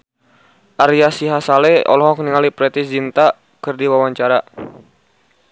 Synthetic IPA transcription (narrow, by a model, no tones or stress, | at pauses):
ʔaɾiasiɦasalɛɔ̰lɔɦɔkniŋalipɾɛt̪isd͡ʒint̪a | kɨrdiwawaɲt͡ʃaɾa